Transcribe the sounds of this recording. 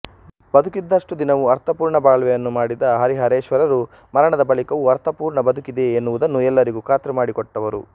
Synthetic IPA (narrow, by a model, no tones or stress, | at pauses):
bɐd̪ukid̪ːɐʂʈud̪inɐʋuɐɾt̪ɐpuːɾɳɐbaːɭʋɛjɐnːumaːɽid̪ɐɦɐɾiɦɐɾeːʃʋɐɾɐɾu | mɐɾɐɳɐd̪ɐbɐlikɐʋuɐɾt̪ɐpuːɾɳɐbɐd̪ʱukid̪e̞ːnːuʋud̪ɐnːuɛlːɐɾiɡuːkaːt̪ɾɐmaːɽikɔʈːɐʋɐɾṵ